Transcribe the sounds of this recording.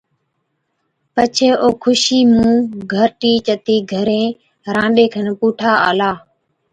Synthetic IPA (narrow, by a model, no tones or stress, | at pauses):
pət͡ʃʰeːʔoːkʰʊʃiːmũːɡʱəɾʈiːt͡ʃət̪iːɡʱəɾẽː | ɾãːɗeːkʰənpuːʈʰaːaːlaː